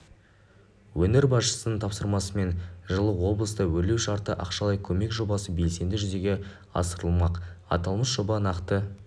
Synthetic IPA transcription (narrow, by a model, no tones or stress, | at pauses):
wɵne̞ɾbɑsʃə̥sənəɴt̪ʰɑpsəɾmɑsəme̞nʒəlˠəwo̞blˠəst̪əwɵle̞wʃɑɾt̪əʔɑqʃɑlˠɑjkʲʰɵme̞kʒo̞bɑsəbe̞lse̞nd̪ɪʒʏze̞ɡʲe̞ | ɑ̰səɾəlˠmɑqɑ̰t̪ɑlˠməsʒ̥o̞bɑnɑqt̪ə